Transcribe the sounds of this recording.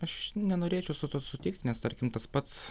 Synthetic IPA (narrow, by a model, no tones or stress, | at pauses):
ɐʃnʲɛnoːɾʲeːt͡ʃʲɛʊsʊt̪osʊt̪ʲɪk̚t̪ʲnʲɛst̪ɐɾʲkʲɪmt̪ɐspɐt̪s